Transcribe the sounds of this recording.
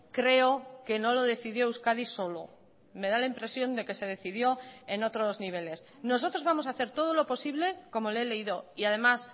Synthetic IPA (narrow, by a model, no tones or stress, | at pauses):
kɾe̞oke̞no̞lo̞ðe̞θiðjouskaðiso̞lo̞̰ | me̞ðalaimpɾe̞sjo̞nd̪e̞ke̞se̞ðe̞θið̞jo̞eno̞t̪ɾo̞zniβ̞e̞le̞s | no̞so̞t̪ɾo̞zβamo̞saθe̞ɾt̪o̞ð̞o̞lo̞po̞siβle̞ko̞mo̞lele̞iðo̞iaðe̞mas